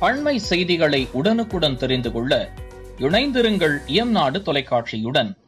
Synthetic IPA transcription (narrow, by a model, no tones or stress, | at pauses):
pɐɳmɐɪsɛjðɪɣɐɭɐɪʔʊɽɐnɯkːɯɽɐnt̪ɛɾɪnd̪ɯkɔɭːɐ | ɪɳɐɪnd̪ɪɾɯŋɡɐɭɪjɐmnaːɽɯt̪ɔlɐɪkːaːʈʂijɯɽɐn